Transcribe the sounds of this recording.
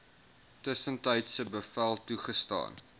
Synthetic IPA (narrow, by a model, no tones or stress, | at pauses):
təsəntəjtsəbəfælˠtuχəstɑ̰ːn